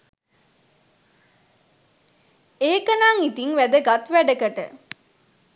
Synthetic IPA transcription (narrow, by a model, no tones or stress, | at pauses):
eːkənaːŋit̪iŋʋæd̪əɡat̪ʋæɖəkəʈə̰